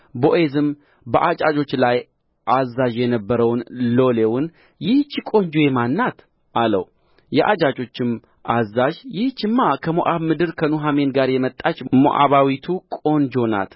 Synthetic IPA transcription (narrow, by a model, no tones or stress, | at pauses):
bo̞ʔezɨm | bəʔat͡ʃʼad͡ʒo̞t͡ʃːlaj | ʔazːaʒjɛnəbːəɾəwnlo̞lewʊn | jɪht͡ʃːɪkʼo̞nd͡ʒojemanːat̪ | ʔalə̰w | jɛʔad͡ʒat͡ʃʼo̞t͡ʃːɪm | ʔazːaʒjɪht͡ʃːɪmːakʰəmoʔaβmɨd̪ɨɾkʰənuɦame̞nɡaɾjɛmət̪ʼːat͡ʃʼmo̰ʔa̰βawit̪ʰukʼo̞nd͡ʒo̞na̰t̪